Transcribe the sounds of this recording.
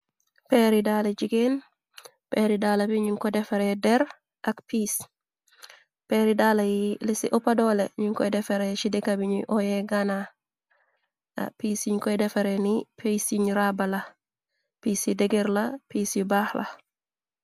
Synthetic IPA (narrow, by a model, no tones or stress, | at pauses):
pɛɾidalɐd͡ʒiɡen | pɛɾidaːlɐbiɲuŋkɔdɛfɐɾɛdɛɾ | ʔɐkpis | pɛɾidalɐjlɪsiʔɔpadɔlɛɲuŋkɔjdɛfɛɾɛt͡ʃidikabiɲṵʔɔjɛɡana | a̰piːsiɲkɔjdɛfɐɾɛnipʰisiɲɾabɐlɐ | piːsidɛɡɛɾlɐpisibaxlɐ̰